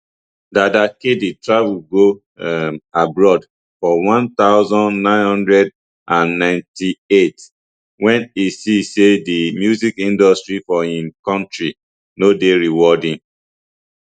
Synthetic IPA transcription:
dadakeditɹavuɡo | abɹɔd | fɔwɔ̃nt̪aʊzɔ̃nnãɪ̃nhɔ̃ndɹɛd | ʔãnːãɪ̃ntiet | wɛ̃nisisedimjuzikĩndɔstɹifɔĩnkɔ̃ntɹi | nodeɹiwɔdĩn

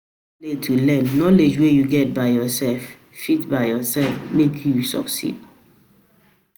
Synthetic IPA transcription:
letʰːulɛ̃nːɔled͡ʒwejuɡɛt̚baɪjɔsɛlf | fitbaɪjɔsɛlfmekʰjusɔ̰ksḭd̥̚

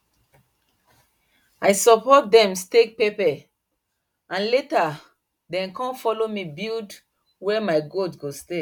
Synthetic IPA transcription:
ajsɔpɔt̚dɛ̃mstek̚pepɛ | ãnleta | dɛ̃nkɔ̃nfɔlomibild | wɛmaɪɡodɡoste

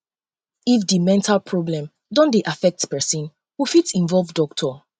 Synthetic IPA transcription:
ifdimɛ̃ntʰalpʰɹɔblɛ̃m | dɔ̃ndeʔafɛk̚tpɛsĩn | wufitsĩnvɔlˠvdɔk̚tʰɔ

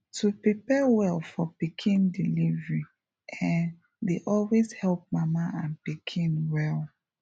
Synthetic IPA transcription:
tʰupɹipɛwɛlfɔpikʰĩndilivɹi | ʔãn | deʔɔlwezhɛlp̚mamaʔãnpikʰĩnwɛl

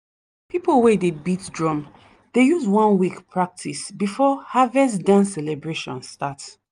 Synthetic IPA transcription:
pipolwɛdebitdɹɔ̃m | d̥ejuzwɔ̃nwikpʰɹak̚tʰisbifɔhavɛs̬dãnsɛlɛbɹeʃɔ̰̃nstat

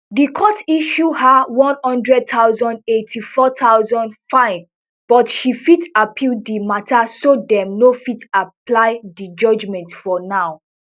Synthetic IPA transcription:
dikʰɔtiʃuhawɔ̃nhɔ̃ndɹɛd̚tʰaʊzɔ̃ndetʰifɔtʰaʊzɔ̃ndfãɪn | b̥ɔtʃifitapʰildimatʰasodɛ̃mnofitaplaɪdid͡ʒɔd͡ʒmɛ̃ntfɔnaʊ

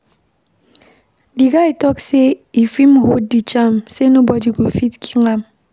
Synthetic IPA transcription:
diɡaitɔkseifimhodit͡ʃamsenobɔdiɡofitkʰi̥ŋam

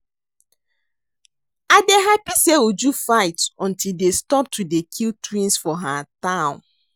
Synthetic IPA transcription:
adeɦapiseud͡ʒufaɪtɔ̃ntildestɔp̚tʰudekʰiltɹĩnsfɔɦatãʊ̃n

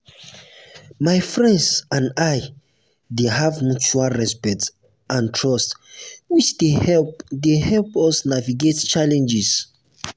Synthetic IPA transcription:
majfɹɛ̃ndsãnaj | deɦavmut͡ʃualɹɛspɛk̚t | ʔãntʰɹɔstwit͡ʃdeɛdehɛlpɔsnaviɡett͡ʃalɛ̃nd͡ʒis

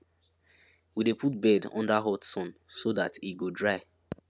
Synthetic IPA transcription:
widepʰut̚bɛdɔ̰̃ndaɦɔtsɔ̃nsodatiɡodɹaɪ

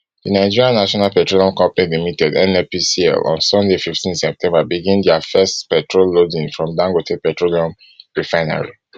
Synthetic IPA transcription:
dənaɪd͡ʒiɹiãnːaʃɔnalpɛtɹoliɔ̃mkɔ̃mpanilimitɛdɛ̃nɛpisiɛ̰lɔ̰̃nsɔ̃ndefiftĩnsɛp̚tʰɛ̃mbabiɡĩndiafɛstpɛtʰɹolːodĩnfɹɔ̃mdãŋɡotʰepɛtɹoliɔ̃m | ɹifaɪna̰ɹḭ

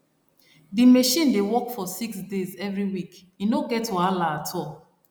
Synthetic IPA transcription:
dimeʃĩndewɔkfɔsiksdezɛvɹiwik | inoɡɛtɔalaatʰɔlˠ

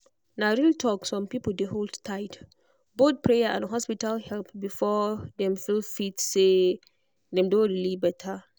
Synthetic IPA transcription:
naɹiltʰɔksɔ̃mpipl̩deɦoldtʰaɪt | bot̚pʰɹejaã̰nɦɔspitalhɛlpbifɔdɛ̃mfilfitse | dɛ̃mdõɹilibɛtʰa

